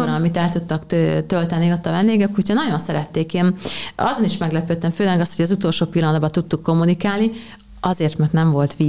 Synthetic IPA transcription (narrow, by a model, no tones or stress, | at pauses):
oɾːmit̪ɛlt̪ut̪ːɒkt̪ølt̪ɛnːiot̪ːɒvɛnd̪eːɡɛkucʰɒnɒɟo̞nsɛɾɛt̪ːeːkeːnɒ̰zoniʃmɛɡlɛpøːt̪ːɛɱføːlɛɡɒst̪hoɟɒzut̪o̞lʃoːpilːɒnɒd̪bɒt̪ut̪ːukːo̞mːunikaːlni | ɒzeːrt̪mɛrt̪nɛɱvo̞lt̪ʋiː